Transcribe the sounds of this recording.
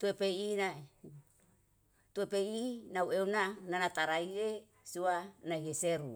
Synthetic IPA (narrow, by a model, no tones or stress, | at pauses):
t̪uepeina | t̪uepejinaweunananat̪aɾaie | suanaieseɾu